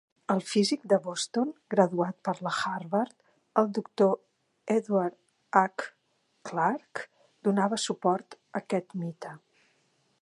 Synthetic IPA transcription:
əlˠfizik̚d̪əβɔst̪onɡɾəðuat̪̚pəɾləxarβəɾt̪ | əlˠd̪ukt̪o | ɛðwaɾt̪ | akː | laɾk | d̪̥unaβəsupɔɾt̪əkɛt̪mit̪ə

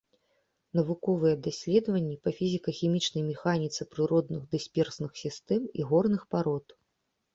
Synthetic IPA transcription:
nɐvukɔvɨjɛd̪asʲlʲɛd̪ɐvɐnʲːipɐfʲizʲikɐxʲimʲit͡ʂnɐjmʲɛxanʲit̪sɨpɾɨɾɔd̪nɨɣd̪ɨsʲpʲɛrsnɨxsʲist̪ɛmiɣɔrnɨxpaɾɔt̪

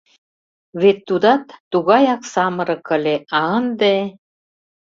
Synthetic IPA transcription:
βet̪ːud̪ɑt̪ːuɣɑjɑksɑmɤ̆ɾɤ̆kə̆leʔɑnd̪e

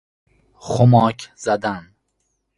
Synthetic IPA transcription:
χomɒːkʰz̥æd̪æn

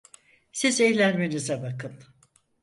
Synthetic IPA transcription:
sizɛjlʲænme̞nizɛbakʰɯn

